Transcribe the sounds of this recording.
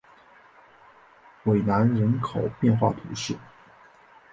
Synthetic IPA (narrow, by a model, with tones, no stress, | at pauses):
we˨˩ɪna˧˥nɻə˧˥nkʰo˨˩ʊpjɛ˥˧nxwa̰˥˩t̪ʰṵ˧˥ʂɻ̩˥˩